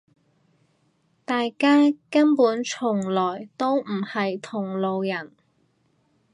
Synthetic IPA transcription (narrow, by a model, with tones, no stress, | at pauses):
t̪aː˨jkaː˥kɐ˥npuː˨˥nt͡ʃʰʊ˨˩ŋlɔː˨˩jt̪o˥wm̩˨˩hɐ˨jt̪ʰʊ˨˩ŋlo˨wjɐ˨˩n